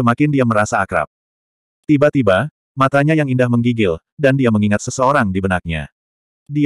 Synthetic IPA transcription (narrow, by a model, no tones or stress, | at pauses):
əmakɪndiaməɾasaːkɾa̰p̚ | t̪ibat̪iba | mat̪aɲajaŋindahməŋɡiɡɪl | dandiaməŋiŋat̪̚səsəoɾaŋdibənak̚ɲa̰ | di